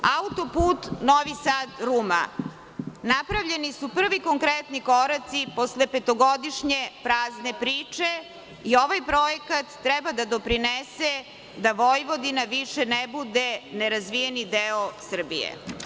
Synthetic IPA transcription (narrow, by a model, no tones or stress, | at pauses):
aut̪o̞puːt̪noʋisaːd̪ɾuma̰ | napɾaʋʎenisupr̩ʋiko̞ŋkɾet̪nikoɾat̪siposlepet̪oɡod̪iʃɲepɾaːzne̞pɾiːt͡ʂe | io̞ʋajpɾo̞jekat̪ːɾɛbad̪ad̪o̞pɾinese | d̪aʋojʋo̞d̪inaʋiʃenebud̪eneɾazʋijenid̪eosr̩bḭjḛ